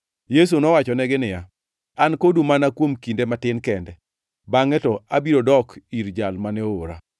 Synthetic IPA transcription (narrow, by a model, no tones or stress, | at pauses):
jes̬unɔwat͡ʃɔnɛɡɪnɪja | ankodumanakwomkindematɪnkɛndɛ | baŋɛtɔabiɾodɔkiɾd͡ʒalmanɛooɾa